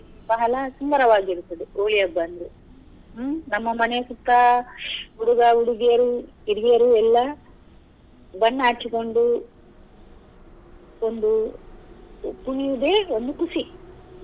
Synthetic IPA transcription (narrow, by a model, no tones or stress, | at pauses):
bɐɦɐlɐsumb̪ɐɾɐʋaːɡiiɾut̪ːɐd̪ioːɭijɐbːɐnd̪u | nɐmːɐmɐnesut̪ːɐ | uɽuɡɐuɽuɡijɐɾu | iɾɡijɐɾuɛlːɐ | bɐnːaːt͡ʃːiko̞ɳɖu | o̞nd̪u | punijud̪eːo̞nd̪ukusi